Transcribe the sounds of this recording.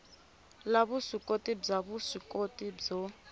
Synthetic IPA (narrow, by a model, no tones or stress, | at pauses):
laβusikʼotʼib͡ʐaβusikʼotʼib͡ʐɔ